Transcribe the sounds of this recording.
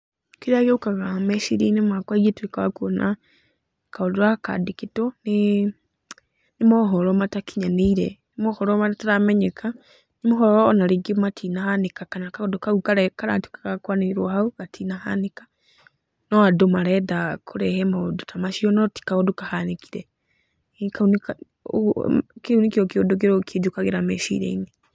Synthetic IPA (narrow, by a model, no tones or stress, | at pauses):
kiɾajeukaɣameʃiɾinimakwajetuikawa̰kuona | kaoduɾaaka̰dikitoni | nimoɦoɾomatakiɲaniiɾenimoxoɾomataɾameɲekʰa | nimoɦɔɾɔːnaɾiɡimatʰinahanikakanakaodukaukaɾɛkaɾa̰ti̥kḁkakwaneiɾwahauɣatʰinaha̰nika | nɔadomaɾɛdakʰuɾɛhɛmodutʰamaʃiɔnɔti̥kaɣɔdukahaniki̥ɾe | kaunik | kiunikokodoɡeɾokʰed͡ʒukaɣeɾamḛʃḭɾḛḭni